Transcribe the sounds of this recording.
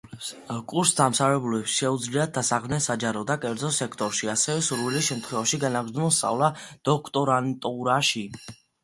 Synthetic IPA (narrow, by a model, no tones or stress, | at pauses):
kʼuɾsd̪amsavɛbulɛpsʃɛud̪zliad̪̚d̪asaχmnɛsad͡ʒaɾɔd̪akʼɛɾd̪zɔsɛkʰt̪ʼɔɾʃiasɛvɛsuɾvilisʃɛmt̪ʰχwɛvaʃiɡanaɡɾmulˠst̪sʼa̰vlˠad̪̥ɔkʰt̪ʼɔɾant̪ʼuɾaʃi